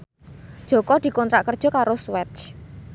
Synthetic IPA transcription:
d̥ʒ̥ɔ̤kɔd̪̥i̤kɔnt̪ɾaʔkərd̥ʒ̥ɔ̤kaɾoswɛt͡ʃ

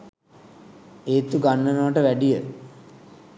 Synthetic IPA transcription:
eːt̪uɡanːənəʋəʈəʋæɖijə

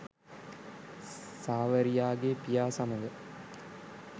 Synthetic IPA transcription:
saːʋəɾijaːɡepijaːsaməɡə

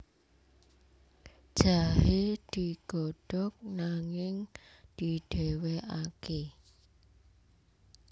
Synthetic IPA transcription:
d̥ʒ̥aɦed̪̥iɡ̥ɔɖ̥ɔk̚naŋɪŋd̪̥i̤ɖ̥eweʔake

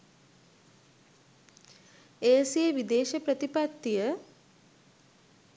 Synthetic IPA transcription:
eːsieʋid̪eːʃepɾət̪ipat̪ːijə

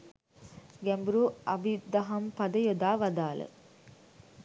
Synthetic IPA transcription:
ɡɛmbɾuːɐbid̪ɐɦɐmpɐd̪əjod̪aːʋɐd̪aːlə̰

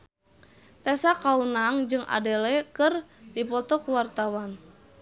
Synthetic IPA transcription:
t̪ɛsakaunaŋd͡ʒɨŋʔa̰dɛlɛkɨrdipɔt̪ɔkuwart̪awan

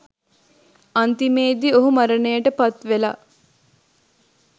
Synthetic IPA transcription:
ɐnt̪imeːd̪ioɦumaɾənəjəʈəpat̪ʋela̰

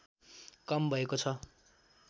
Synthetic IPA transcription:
kʌmbʱʌekot͡sʰʌ

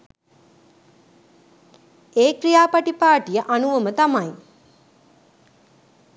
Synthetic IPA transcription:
eːkɾijaːpaʈipaːʈijəʔanuʋəmət̪amɐj

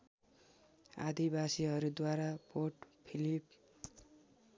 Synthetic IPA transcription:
ad̪ibasiɦʌɾud̪waɾapoʈpʰilip̚

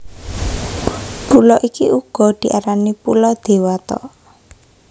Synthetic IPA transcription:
pulɔʔikiʔuɡ̥ɔ̤d̪̥i̤ʔaɾanipulɔd̪̥e̤wat̪ɔ̰

